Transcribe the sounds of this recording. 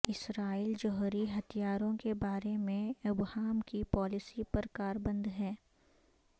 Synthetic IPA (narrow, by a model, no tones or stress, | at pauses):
ɪsɾaːiːld͡ʒɔːɦɾiɦɐt̪ʰijaːɾõkebaːɾemẽʊbɦaːmkipɔːlɪsipɐɾkaːɾbə̃nd̪ʱɦɛː